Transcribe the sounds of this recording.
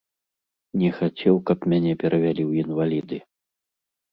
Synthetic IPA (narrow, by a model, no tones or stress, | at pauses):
nʲɛxat͡sʲɛwkɐpmʲanʲɛpʲɛɾʔɐvʲalʲiwinvalʲid̪ɨ